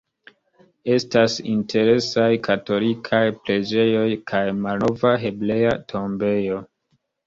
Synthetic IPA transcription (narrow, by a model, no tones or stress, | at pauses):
e̞stasintʰe̞ɾe̞sajkʰato̞likʰajpɾe̞d͡ʒe̞jo̞jkʰajmalnovaɦe̞ble̞atʰo̞mbe̞jo̞